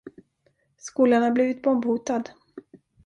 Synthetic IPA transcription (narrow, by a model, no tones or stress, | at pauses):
skuːlaɳaɾbliːvɪt̪̚bɔmbhuːt̪ad̪